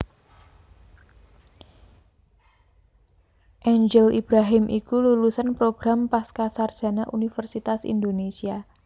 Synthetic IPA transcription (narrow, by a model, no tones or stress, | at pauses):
ʔeɲd͡ʒəlib̥ɾaɦɪmʔikululusanpɾoɡ̥ɾampaskasardʒ̥a̤naʔunifərsit̪asḭnd̪onesia